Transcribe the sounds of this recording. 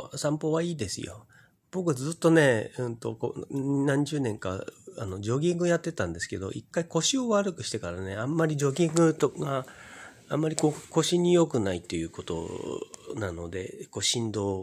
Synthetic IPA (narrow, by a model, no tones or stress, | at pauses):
sãmpo̞ːβaiːd̪e̞sɨ̰jo̞̰ | b̥o̞k̬ɯ̟zɨt̪ːo̞ne̞ɯ̃nt̪o̞̰ko̰nãɲd͡ʑɨːnẽ̞ŋka̰ano̞d͡ʑo̞ɡʲĩŋɡɯjat̪ːe̞t̪ãnd̪e̞sɨ̥ke̞d̪o̞̰ʔikːaiko̞ɕio̞βaɾɯ̟kɯ̟ɕi̥t̪e̞kaɾane̞ãmːaɾʲid͡ʑo̞ɡʲĩŋɡɯ̟t̪oɡa | amːaɾʲiko̞ːko̞ɕiɲ̟ijo̞kɯ̟nait̪ːe̞jɯ̟ːko̞t̪o̞̰ | nano̞d̪e̞̰ko̞ɕĩnd̪o̞ː